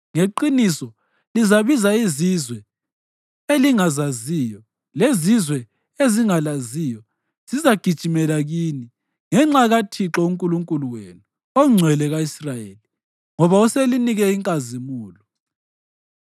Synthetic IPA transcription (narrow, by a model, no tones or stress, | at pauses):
ŋeǃinisɔ | lizaβizaizizwɛ | eliŋazaziːjɔ | lezizwɛ | eziŋalazijɔ | z̥izaɡ̥ʱid̥ʒ̥ʱimɛlaɣini | ŋɛŋ͡ǁaɣatʰiǁɔuŋkʼuluŋkʼuluwenu | oŋ͡ǀʱwɛlɛɣaisrajeli | ŋɔβauseliniɣɛiŋkʼazimuːlɔ